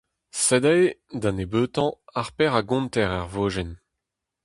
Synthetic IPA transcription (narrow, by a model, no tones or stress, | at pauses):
sɛd̪ɛjd̪ãnebøːt̪ɑ̃aʁpɛʁaɡɔ̃nt̪ɛʁɛʁvoːʒɛn